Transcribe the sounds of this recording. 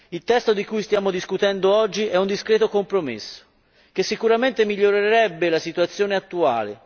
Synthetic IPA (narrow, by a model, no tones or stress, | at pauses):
ilt̪ɛst̪od̪ikujst̪jaːmod̪iskut̪ɛnd̪oɔd͡ʒːiʔɛund̪iskɾɛːt̪okompɾomḛsːo̥ | k̟esːikuɾament̪emiʎːoɾeɾeɾɛbːelasit̪uat̪sːjoːneat̪ːua̰ːlḛ